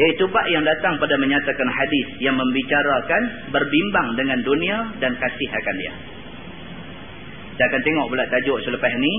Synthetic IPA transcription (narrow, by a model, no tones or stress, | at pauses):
jait̪upaʔjaŋdat̪aŋpadaməɲat̪akanhadɪθjaŋməmbit͡ʃaɾakan | bərbimbaŋdəŋandunĩadankasɪhakandia̰ | sakant̪eŋɔʔbulaʔt̪ad͡ʒɔʔsələpaɦni